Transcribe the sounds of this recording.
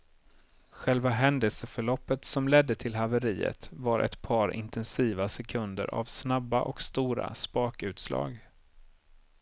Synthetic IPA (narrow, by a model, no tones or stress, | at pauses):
ɧɛlvaɦɛnd̪əlsəfœɭɔpːət̪sɔmlɛd̪ːət̪ʰɪlɦavəɾiːə̰t̪vaɾʔɛ̰t̪pʰɑːɾɪ̰nt̪ʰɛnsiːvasɛkʰɵnd̪ə̰ɾʔa̰vsnabːaʔɔkst̪uːɾa̰spɑːkʉ̟ːt̪slɑ̰ːɡ